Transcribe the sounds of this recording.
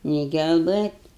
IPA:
nʲɛɪ ɡʲɛlˠˈbɘtʲ

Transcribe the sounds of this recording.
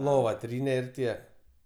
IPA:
lˠoːʋɐ ˈtʲrʲiːnʲɛ ɪr ˈtʲiɛ

